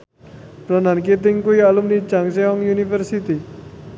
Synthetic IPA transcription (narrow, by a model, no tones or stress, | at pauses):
pɾənanket̪̬iŋkoialumnit͡ʃaŋseɔŋjunifəɾsit̪i